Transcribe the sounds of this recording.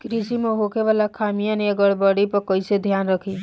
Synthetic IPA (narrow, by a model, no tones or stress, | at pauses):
kɾisimeɦokʰeʋaːlakʰamijãniəɡəɽbəɽipəɾkəɪsed̪ʱjaːnɾəkʰi